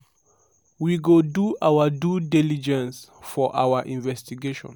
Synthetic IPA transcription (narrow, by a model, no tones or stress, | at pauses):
wiɡoduʔawadudilid͡ʒɛ̃nsfɔʔa̰waʔĩnvɛstiɡeʃɔ̰̃n